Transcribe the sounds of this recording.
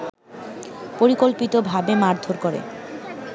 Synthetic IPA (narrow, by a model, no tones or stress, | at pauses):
poɾikolpit̪obʱabemaɾd̪ʱoɾkoɾḛ